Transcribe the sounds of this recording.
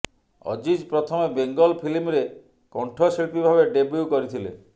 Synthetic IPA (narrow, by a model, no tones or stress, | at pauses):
ɔ̰d͡ʒid͡ʒpɾɔt̪ʰɔmebeŋɡɔlpʰilimɾe | kɔɳʈʰɔseɭpibʱabeɖebɾuwkɔɾit̪ʰilḛ